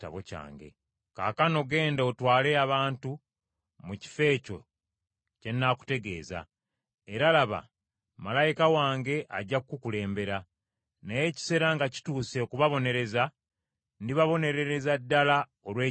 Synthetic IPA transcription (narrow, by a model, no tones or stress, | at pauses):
ta̰βo̰ca̰ːŋɡe̞̰ | ka̰ːkano̞ɡe̞ːndaotwaːle̞aβaːntu | muci̥fe̞ːco̞̰ | ce̞nːaku̥te̞ɡe̞̰ːza̰ | e̞ɾalaβa̰ | malajikawaːŋɡe̞ʔaɟːakkukule̞ːmbe̞ɾa | neje̞ci̥se̞ɾaŋɡaci̥tuːse̞okuβaβo̞ne̞ɾe̞za | ndiβaβo̞ne̞ɾe̞ɾe̞zadːala | olwe̞ː